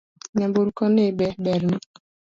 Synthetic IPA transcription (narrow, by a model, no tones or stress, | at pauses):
ɲambuɾukɔnebɛbɛɾn